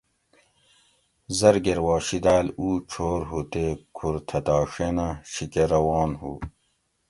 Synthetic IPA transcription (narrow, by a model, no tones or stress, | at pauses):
zɐɾɡeɾwɑːɕid̪aːluːt͡ʃʰoːɾɦut̪ekʰuɾt̪ʰɐt̪ɑːʂenaɕikeɾɐwɑːnɦṵː